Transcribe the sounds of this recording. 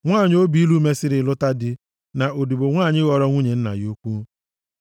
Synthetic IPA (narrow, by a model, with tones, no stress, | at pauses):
ŋʷaː˦˨ɲ˦o˦bi˦i˦lu˦me˦sɪ˦ɾɪ˨lʊ˦ta˦dɪ˦ | na˨ʔo˨di˨bʊ˨ŋʷaː˦˨ɲɪ˦ɣɔ˨ɾɔ˦ŋʷu˦ɲe˨n̩˦na̰˨jo˦kʷu˦